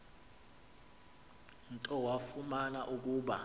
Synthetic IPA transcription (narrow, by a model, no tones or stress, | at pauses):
nǀʼɔwafumanaʔuk̬ʼuːɓa̰